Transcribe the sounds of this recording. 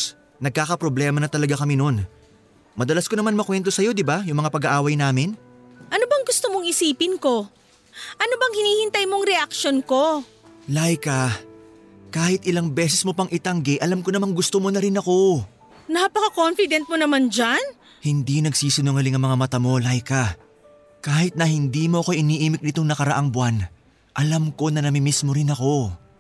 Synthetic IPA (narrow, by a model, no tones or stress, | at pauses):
nɐɡ̚kaːkɐpɾoblɛːmɐnɐt̪ɐlɐɡakɐmino̞n | mɐd̪ɐlasko̞nɐmanmɐkwɛnt̪o̞sɐjo̞d̪ɪbajʊŋmɐŋapɐɡɐʔaːwɐjnaːmɪn | ʔɐnobɐŋɡʊst̪omo̞ŋɪsiːpɪnko̞ | ʔɐno̞bɐŋhɪniːhɪnt̪ɐjmoŋɾɛʔɐkʃo̞nko̞ | lajkɐ | kaːhɪt̪̚ʔɪlaŋbɛːs̬ɛsmo̞pɐŋʔɪt̪ɐŋɡɪʔɐlamkonɐmaŋɡʊst̪omo̞nɐɾɪnɐko̞ | napɐkɐkonfɪd̪ɛnt̪̚monɐmand͡ʒan | hɪnd̪inɐɡsiːsɪnoŋɐlɪŋɐŋmɐŋamɐt̪amo̞lajkɐ | kaːhɪt̪̚nɐhɪnd̪imo̞ʔɐko̞jʔɪniːʔiːmɪk̚nɪt̪o̞ŋnɐkɐɾɐʔaŋbwan | ʔɐlamko̞nɐnɐmimismo̞ɾɪnɐko̞